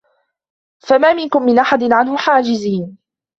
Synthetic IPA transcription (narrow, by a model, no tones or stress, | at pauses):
famaːmɪnkʊmːɪnʔaħad̪ɪnʕanhʊħaːd͡ʒɪziːn